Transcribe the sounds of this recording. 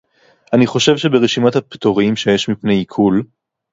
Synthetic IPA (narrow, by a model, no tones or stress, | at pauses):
aniχo̞ʃevʃe̞beʁeʃimat̪hapt̪oʁimʃe̞jeʃmipnejikʰul